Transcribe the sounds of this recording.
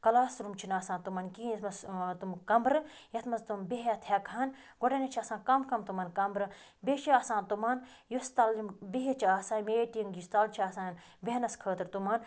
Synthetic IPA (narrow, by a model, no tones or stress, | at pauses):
kɐlaːsɾumt͡ʃʰinaːsãːnt̪umɐnkinɐt̪mɐst̪umkɐmbɾɨ | jɐt̪mɐst̪umbeɦjɐt̪ʰjɐkʰan | ɡoʈɐnʲɐt͡ʃʰaːsãːnkɐmkɐmt̪umɐːnkɐmbɾɨ | beːʃiaːsãːnt̪umaːnjust̪ɐlimbeɦet͡ʃʰaːsaːnmeːʈiŋɡjust̪ɐlt͡ʃʰiaːsaːnn | bʲeɦnɐskʰəːt̪ɾt̪uman